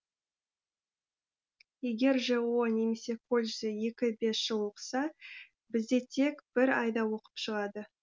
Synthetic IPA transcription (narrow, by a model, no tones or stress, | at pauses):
je̞ɡʲe̞ɾʒeuwəne̞me̞se̞kʰo̞lʲʒzɪje̞kʲɪbe̞sʒ̥əlˠwoqə̥sɑ | bɪzd̪e̞t̪ʰe̞kb̥ɪɾɑjd̪ɑwo̞qə̥pʃəʁɑd̪ə